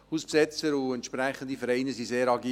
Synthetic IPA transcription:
huːspsɛt͡səɾʊɛntʃpɾɛχənd̪ifəɾɛɪnəsiseːɾɑɡiː

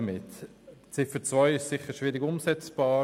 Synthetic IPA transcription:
mɪt | t͡sɪfət͡svɔʏɪʃsɪχəɾʃʋiːɾiɡʊmsɛt͡sb̥ɑː

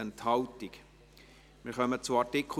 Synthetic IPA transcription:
ənthɑwtik | mɪːɾχœmət͡suɑɹtɪkʰ

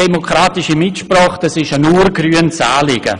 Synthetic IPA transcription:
ɛmokɾaːtɪʃimɪtʃprɔːχtɛsɪʃənuːrɡryːənt͡saːlɪɡə̰

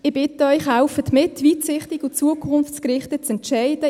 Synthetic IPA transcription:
ɪb̥ɪt̪əœʏχhaʊfətmɪtʋitsɪχtɪɡut͡suəkʰʊnft͡skɾɪχtət͡sɛntʃaɪd̥ə

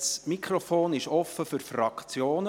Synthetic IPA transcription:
smikχɾofoːnɪʃɔfːəfʏɾfrɑkt͡sjoːnə

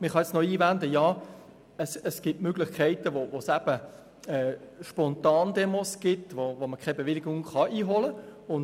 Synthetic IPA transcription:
mɪχɑjɛt͡snɔiːvænd̪əjɑː | əsəsɡ̥ɪtmøɡ̥lɪχkʰɛɪtəʋovosæb̥ə | ɛʃpɔntɑːnd̪ɛmosɡ̥ɪtʋovoməkʰɛɪbeʋɪlɪɡʊŋχɑʔiːɦɔləʊn

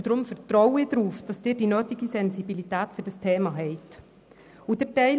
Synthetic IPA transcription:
d̥ɾʊmfɛɾtɾɔwɪdɾuːfd̥ɑsd̥ɪːɾdinøːtiɡisɛnzibilitɛːtfyɾd̥ɑstʰeːmɑɦɛɪt | udɛtɛɪ

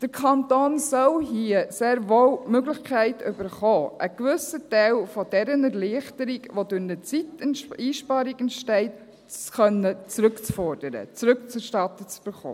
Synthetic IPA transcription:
d̥əɾkʰχɑntoːnsɔlɦiəseːɾʋowmøɡlɪχkʰæɪtʏbəɾχoːʔəkʋʏsətɛɪlfɔd̥ɛɾənəɾliəχtəɾɪkʋodʊɾnət͡sitiːʃpɑːɾiɡɛntʃtɛɪt | t͡skœnːət͡sɾɵkt͡sfɔɾd̥əɾə̰t͡sɾɵkt͡sɛʃtɑtət͡sb̥əχo̰ː

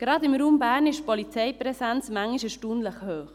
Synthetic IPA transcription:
ɡ̥ɾɑdɪmɾuːmbæːɾnɪʃpɔlit͡sɛjpɾɛsɛnt͡smæŋːiʃɛʃtuːnləχhøːχ

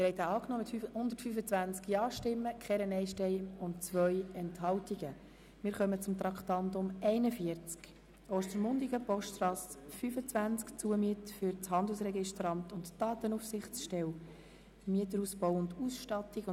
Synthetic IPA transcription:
ɪɾhɛɪtaɑːknoːmɪtfyhʊnd̪ətfyfət͡svʋænt͡skjɑːʃtɪmːəkʰχɛɾɛnɛɪʃtɛɪʊntt͡sʋœʏɛnthɑltiɡ̥ə | mɪːɾχœmət͡sʊmt̪ɾɑktɑndʊmɛɪnəfiəɾt͡sk | oːʃtəɾmʊndiɡəpɔʃttrɑːsfyfət͡svænt͡skt͡suəmiətəfyɾt͡shɑnd̪əlsrɛɡɪʃtɾɑntʊntd̥ɑːt̪ənufsɪχt͡sʃtɛw | miətəɾuspɔwʊnduːsʃtɑtiɡ

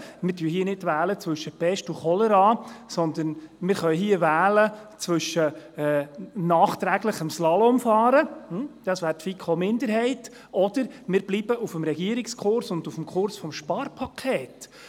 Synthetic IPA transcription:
mɪːɾtyːɦiənɪdvæːlət͡sʋɵʃːəpɛʃtuχɔləɾɑːsɔnd̪ənmɪːɾχœʏɦiːəʋæːlə | t͡sʋɵʃəɛːnɑːχt̪ɾæːɡləχəmslɑlɔmfɑːɾəd̪̥ɑsʋæːɾtfikʰomɪnd̪əɾɦɛɪt | ɔd̪̥əɾmɪːɾb̥lib̥əʔufəmɾɛɡiəɾikskχʊɾsʊndufəmkχʊɾsfɔmʃpɑrpʰɑkʰeːt

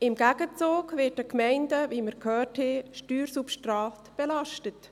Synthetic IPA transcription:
ɪmɡæɡət͡soːɡvɪːt̚dəkmɛɪndəviːməɾkʰhœːtheʃtyːɾsupʃtraːtb̥ɛlɑʃtət

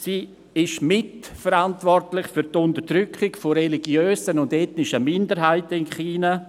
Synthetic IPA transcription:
siː | ɪʃmɪt | fəɾantʋɔrtlɪχfyɾtʊntəɾd̥ɾʏkχɪkfoɾɛliɡjøːsənʊndɛtnɪʃəmɪndəɾɦaɪtəɪnχiːna

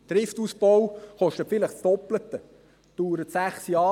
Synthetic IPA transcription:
d̥̪ɾɪftuːsbɔwχɔʃtətfɪləχstɔplət̪ə | d̪̥uːɾət̪sæχsjɑː

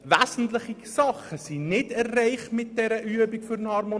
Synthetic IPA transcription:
ʋæzn̩tlɪχisɑχəsinɪdɛrːɛɪχtmɪt̚d̥ɛɾəʔyəbikfʏɾənhɑɾmo

